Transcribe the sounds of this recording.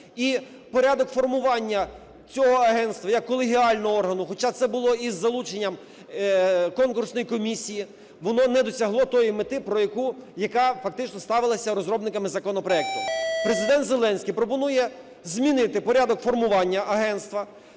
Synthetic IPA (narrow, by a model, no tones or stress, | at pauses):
i | pɔɾʲad̪ɔkfɔrmʊʋɑnʲːɐ | t͡sʲɔɦɔɐɦɛnst̪ʋɐjɐkːɔlˠeɦʲiɑlʲnɔɔɔrɦɐnʊxɔt͡ʃɑt̪sɛbʊlˠɔizːɐlˠut͡ʃenʲːɐm | kɔnkʊrsnɔjikɔmʲisʲiji | ʋɔnɔnɛd̪ɔsʲɐɦlˠɔt̪ɔjimɪt̪ɪpɾɔjɐkujɐkɑfɐk̚t̪ɪt͡ʃnɔst̪ɑʋɪlˠɐsʲɐɾɔzɾɔbnɪkɐmɪzɐkɔnɔpɾɔɛk̚t̪ʊpɾezɪd̪ɛnt̪zelˠɛnʲsʲkijpɾɔpɔnujɛ | zʲmʲinɪt̪ɪpɔɾʲad̪ɔkfɔrmʊʋɑnʲːɐʔɐɦɛnst̪ʋɐ